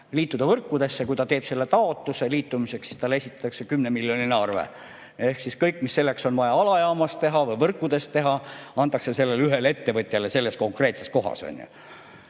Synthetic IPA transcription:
liːt̪ːˑud̪ɑvɤrkːud̪e̞sːekujt̪ɑt̪e̞ːb̥se̞lːet̪ɑo̞t̪ːˑuseliːt̪ːˑumiseksi̥st̪ɑlːe̞sʲit̪ːˑɑt̪ːɑkse̞kymnemiljonʲinɑrvḛ | e̞hksiskɤjkːˑmisːe̞lːe̞kso̞nvɑjɑɑlɑjɑːmɑst̪t̪e̞ɦɑvɤjvɤrkːˑud̪̥e̞st̪t̪e̞ɦɑɑnt̪ˑːɑkse̞se̞lːelyɦele̞t̪ːe̞vɤt̪ʲˑjɑle̞se̞lːe̞sko̞ŋkre̞ːt̪se̞sko̞ɦɑ̰so̰nʲjṵ

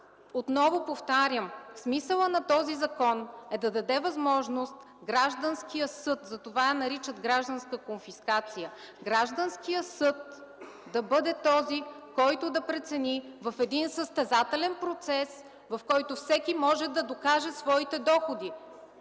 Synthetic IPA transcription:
ot̪nɔvopoft̪aɾʲjəmsmisəlˠənɐt̪ɔzizɐkɔnɛd̪ɐd̪ɐd̪ɛvɐzmɔʒnost̪ | ɡɾaʒd̪ənskijəsɤt̪zɐt̪ovajɐnɐɾit͡ʃəd̪ɡɾaʒd̪ɐnskəkonfiskat̪sijə | ɡɾaʒd̪ənskijəsɤt̪̚ | d̪ɐbɤd̪ɛt̪ɔzi | kɔjt̪ʊd̪ɐpɾɛt̪sɛnivɐfɛd̪insəst̪ɛzat̪ɛlɛnpɾot̪sɛs | vɐfkɔjt̪ofsɛkimɔʒɛd̪ɐd̪okaʒɛsvɔit̪ɛd̪ɔxod̪i

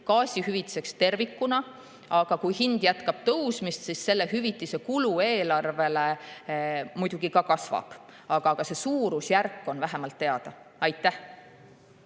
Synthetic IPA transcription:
kɑːsʲihyvit̪ːi̥se̞kst̪e̞rvikːˑunɑ | ɑɡ̥ɑkujhind̪̥jæt̪kɑb̥t̪ɤwsmist̪sisse̞lːe̞ɦyvit̪ːˑise̞kulue̞ːlɑrve̞le̞ | mujd̪̥uɡ̥ikɑkɑsvɑ̰b̥ | ɑɡ̥ɑɡ̥ɑse̞suːɾusjærkˑːo̞nvæɦe̞mɑlt̪ːe̞ɑd̪̥ɑ | ɑjt̪ːˑæh

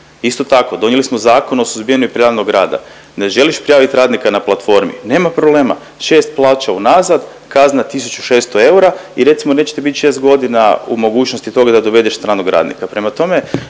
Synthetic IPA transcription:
ist̪o̞t̪ako̞d̪o̞njelismo̞zaːko̞nosuzbijenuipɾiaːnoɡɾaːd̪a̰ | neʒe̞liʃpɾijaːʋit̪ɾaːd̪nikanaplˠat̪fo̞ɾmḭne̞ːmapɾoble̞ːma̰ | ʃeːst̪̚plˠaːt͡ʃaunazad̪ | kaznat̪isut͡ʃuʃe̞st̪oe̞uɾaiɾe̞t̪simo̞ne̞t͡ʃe̥t̪ebit̪ʲʃe̞st̪ɡo̞d̪inaṵmo̞ɡuːt͡ʃnost̪it̪o̞ɡad̪ad̪o̞ʋe̞d̪eʃst̪ɾaːnoɡɾa̰ːd̪nḭkapɾe̞mat̪o̞me̞

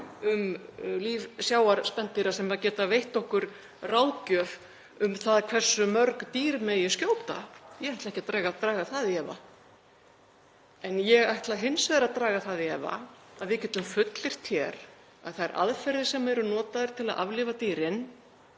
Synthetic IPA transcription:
ʏmliːvsjaːwaɾspɛnt̪ɪɾasɛmacɛːt̪avejht̪ɔhkʏɾ̥ | rawcœv | ʏmθaðkʰv̥ɛr̥sːʏmœɾkt̪iːɾmɛjɛscoːwpt̪a̰jɛajht̪lɛhcat̪ɾaːɣat̪ɾaːɣaθaðɪɛva̰ | ɛnjɛɣajht̪laɦɪnsvɛðɾaðt̪ɾaːɣaθaðɪɛva̰aðvɪcɛːt̪ʏmfʏt̪lɪɾ̥t̪ʰjɛɾ | a̰ðθaðɛɾʔa̰ðfɛɾðɪsɛmɛɾʏnɔːt̪aðʏɾ̥t̪ʰɪla̰ðʔa̰vlɪvat̪iːɾɪn

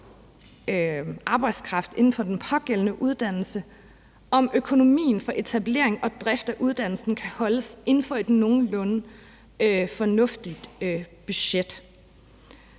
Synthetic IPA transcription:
ʔɑ̈ːb̥ɑ̈ɪd̥skʰʁɑ̈fd̥e̝n̩fɒ̽d̥enpʰɒ̽ɡ̥el̰ənəʔuð̞ˠd̥æn̰l̩sə | ʔɒ̽møkʰo̝no̝mḭːn̩fɒ̽ʔe̝t͡sʰæble̝ɐ̰e̝ŋɒ̽d̥ʁɛfd̥æʔuð̞ˠd̥æn̰l̩sn̩kʰæhɒ̽ləse̝nn̩fɒ̽e̝d̥no̝ːn̩lɔn | fɒ̽nɔ̽fd̥id̥b̥yɕed̥

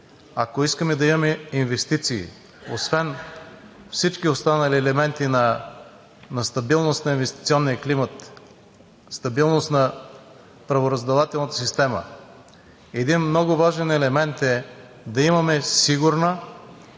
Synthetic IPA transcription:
akoiskəmɛd̪ɐimɐmɛinvɛst̪it̪sḭː | o̰svɛn | fsit͡ʃkiost̪anɐliɛlɛmɛnt̪inɐ | nɐst̪ɐbilˠnost̪nɐinvɛst̪i̥t̪siɔnːijɐklimət̪ | st̪ɐbilˠnost̪nɐ | pɾɐvoɾɐzd̪ɛlˠat̪ɛlˠnət̪ə̥sist̪ɛmə̰ | ɛd̪inmnɔɡʊvaʒɛnɛlɛmɛnt̪ɛ | d̪ɐimɐmɛsiɡʊɾnə

